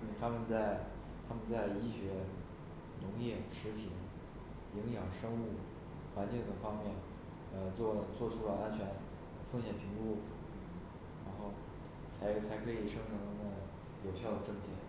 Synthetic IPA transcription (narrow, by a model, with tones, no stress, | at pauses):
ni˨˩t̪ʰa˥mə˨nt͡sa˥˩ɪ | t̪ʰa˥mə˨nt͡sa˥˩ɪi˥˩ɕɥɛ˧˥ | nʊ˧˥ŋjɛ˥˩ʂɻ̩˧˥pʰi˨˩˦n | i˧˥ŋjɑ˨˩ŋʂɤ˥ŋu˥u˥˩ | xwa˧˥nt͡ɕi˥˩ŋd̪ə˨˩ŋfɑ˥ŋmjɛ˥˩n | ə˧t͡swɔ˥˩lə˧˩t͡swɔ˥˩ʈ͡ʂʰu˥lə˨˩a˥nt͡ɕʰɥɛ˧˥n˧ | fɤ˥˩ŋɕjɛ˨˩npʰi˧˥ŋlu˥˩˥ | ɻa˧˥nxo˥˩ʊ | t͡sʰa˧˥ɪt͡sʰa˧˥ɪkʰɤ˧˥i˨˩ʂɤ˥ŋʈ͡ʂʰɤ˧˥ŋ˧˥ŋnə˧˩ | jo˨˩ʊɕjɑ˥˩ʊd̪ə˩ʈ͡ʂɤ˥˩ŋt͡ɕ̪ʰjɛ˨˩˦